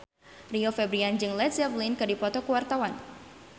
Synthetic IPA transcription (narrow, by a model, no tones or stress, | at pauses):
riofɛbɾiand͡ʒɨŋlɛt̪savlinkɨdipɔt̪ɔkuwart̪awan